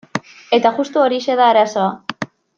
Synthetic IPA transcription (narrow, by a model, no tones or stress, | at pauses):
e̞t̪aʝust̪uoɾiʃe̞ðaːɾaso̞a